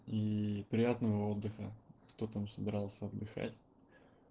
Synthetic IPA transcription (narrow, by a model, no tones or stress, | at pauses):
ipɾʲɪjat̪nəvəo̞d̪ːɨxəkt̪ot̪msəbʲɪɾalˠsʲəɐd̪ːɨxa̰tʲ